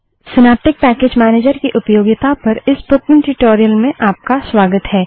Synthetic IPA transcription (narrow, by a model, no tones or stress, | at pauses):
sɪnaːp̚ʈɪk̚pɛːkeːd͡ʒmɛːneːd͡ʒəɾkiʔʊpjoːɡɪt̪apɐɾɪsbʊkɪ̃ŋʈɾɪʈoːɾijəlmẽʔaːp̚kaswaːɡət̪ɦɛː